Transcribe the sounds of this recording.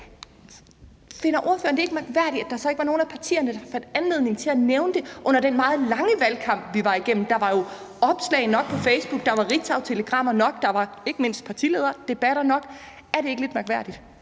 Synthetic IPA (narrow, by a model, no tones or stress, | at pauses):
fe̝nɐʔo̝ɐfø̰ːɐnd̥ee̝ɡ̥əmɑɡ̥ʋæɐ̰ɾ̥i̥æ̥ɑsɒ̽e̝ɡ̥ʋɑ̈no̝ːn̩æpʰɑ̈t͡sʰḭːɐnəd̥ɑfænd̥ænleð̞̰ˠne̝ŋ̩t͡sʰe̝æneʊnəd̥e̝ʔɔ̽n̰ɐɾ̥enmɑ̈ːð̩ˠlɑ̈ŋəʋælkʰɑ̈m̰b̥ʋiʋɑ̈iɡ̥en̰m̩d̥ɑ̈ʋɑ̈jo̝ɒ̽b̥slɛ̰ɪnɒ̽ɡ̥̚pʰɒ̽feɪsb̥uɡ̥̚d̥ɑ̈ʋɑ̈ʁi̥t͡sʰɑ̈ʊt͡sʰe̝ləɡ̥ʁɑ̈m̰ɐnɒ̽ɡ̥d̥ɑ̈ʋɑ̈e̝ɡ̥əme̝n̰sd̥̚pʰɑ̈t͡sʰḭleːð̞ˠɐd̥e̝b̥æɾ̥ɐnɒ̽ɡ̥ | æɐɾee̝ɡ̥əle̝d̥mɑɡ̥ʋæɐ̰d̥id̥